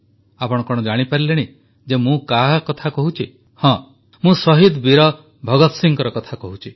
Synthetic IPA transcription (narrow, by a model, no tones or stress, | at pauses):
apɔɽ̃ɔkɔɽ̃ɔd͡ʒaɽ̃ipaɾileɽ̃i | d͡ʒemũkaɦkɔt̪ʰakɔɦut͡ʃʰi | hɔ̃ | mũsɔɦid̪biɾɔ | bʱɔɡɔt̪siŋkɔɾɔkɔt̪ʰakɔɦut͡ʃʰi